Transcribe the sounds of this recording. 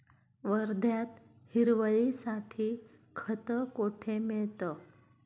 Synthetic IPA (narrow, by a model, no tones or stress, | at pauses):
ʋəɾd̪ʱjat̪ | hiɾʋəɭisaʈʰiː | kʰət̪əkoʈʰemiɭt̪ə